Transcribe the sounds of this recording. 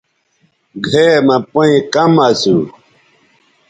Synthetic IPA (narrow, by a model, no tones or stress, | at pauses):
ɡʱemɐ̃poĩkɐmasu